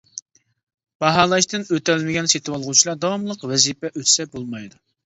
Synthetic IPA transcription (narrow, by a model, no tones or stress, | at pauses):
b̥ɑɦɑːlˠɑʃt̪ɨnøt̪ɛlmɪɡʲɛnset̪ʰɨwɑlˠʁut͡ʃʰilˠɑd̪ɑwɑmlˠəqwɛzipɛʔøt̪ʰsɛbolˠmɑjd̪u